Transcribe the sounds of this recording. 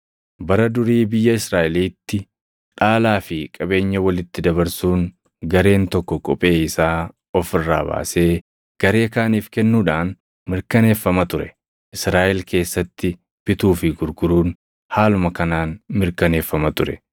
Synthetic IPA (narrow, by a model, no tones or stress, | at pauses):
bɐɾɐd̪ʊɾiːbɪjːɐɪsɾaːʔɪliːt̪ːɪ | ᶑaːlaːfɪkʼɐbe̞ːɲːɐwɐlɪt̪ːɪd̪ɐβɐɾsuːŋ | ɡɐɾe̞ːnt̪ɔkːɔkʼɔpʼe̞ːɪsaː | ɔfɪrːa̰ːba̰ːse̞ː | ɡ̥ɐɾe̞ːkaːniːfkɛnːuːᶑaːn | mɪɾkɐne̞ːfːɐmɐt̪ʊɾɛ | ʔɪsɾaːʔɪlke̞ːsːɐt̪ːɪ | b̥ɪt̪uːfɪɡʊɾɡʊɾuːn | haːlʊmɐkɐnaːnmɪɾkɐne̞ːfːɐmɐt̪ʊɾɛ